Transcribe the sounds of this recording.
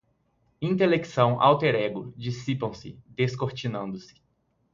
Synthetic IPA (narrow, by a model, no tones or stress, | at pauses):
ĩnt̪eleksɐ̃w̃ʔa̰wt̪eɾɛɡʊd͡ʒisipɐ̃w̃sɪ̰d̪eskoɾt͡ʃinɐ̃nd̪ʊsɪ̥